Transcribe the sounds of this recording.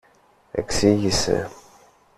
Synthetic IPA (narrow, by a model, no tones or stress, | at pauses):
æ̰kːsijisæ̰